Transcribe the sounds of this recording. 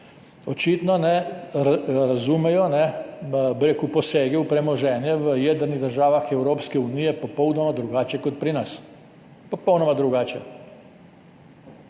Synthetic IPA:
ot͡ʃit̪nɔnɛ | ɾazumɛjɔnɛbiɾekuposeːɡiupɾɛmɔʒɛːnjɛʋəjɛd̪əɾniɣd̪əɾʒaːʋaxɛwɾoːpskɛunijɛpopownɔmad̪ɾuɡaːt͡ʃjɛkɔt̪̚pɾinas | popownɔmad̪ɾuɡaːt͡ʃjɛ

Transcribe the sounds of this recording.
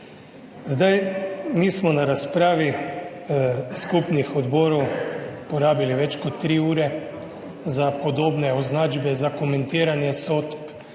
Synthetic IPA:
zd̪ajmiːsmɔnaɾaspɾaːʋi | skupnixɔd̪boːɾɔwpoɾaːbiliʋɛt͡ʃkɔt̪ːɾiːuːɾɛ | zapod̪oːbnɛɔznaːd͡ʒbɛzakomɛ̃nt̪iːɾanjɛsot̪p

